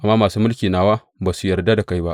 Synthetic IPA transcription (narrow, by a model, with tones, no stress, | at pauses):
ʔa˨mːaː˦maː˨suː˦mʊ˦lkʲiː˨naː˨waː˦ | baː˨su˦jɐ˨rda˦da˨ka˦jba˦ʔ